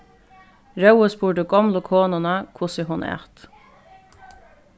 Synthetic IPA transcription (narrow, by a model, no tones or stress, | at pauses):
ɾœʊəspuːɖəɡɔmlʊkʰoːnʊnɑkʰʊsɪɦʊnʔæ̰ːt̪